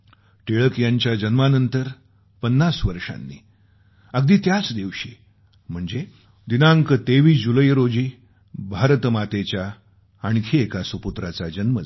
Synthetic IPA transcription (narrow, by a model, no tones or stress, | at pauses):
ʈeɭəkjaɲt͡ɕjad͡ʑənmanənt̪əɾ | pənːasʋəɾʂa̰nːḭː | əɡ̚d̪iːt̪jat͡sd̪iʋɕi | m̤əɳd͡ze | d̪inaŋkət̪eʋiːd͡ʑuləjɾod͡ʑiː | bʱaɾt̪mat̪et͡ɕjaː | ɳkʰeːkasʋəput̪ɾat͡sad͡ʑənmə